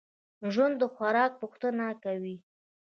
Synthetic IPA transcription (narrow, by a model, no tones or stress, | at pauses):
ʒwand̪ːəxwaɾɑk̚puxt̪ənakawi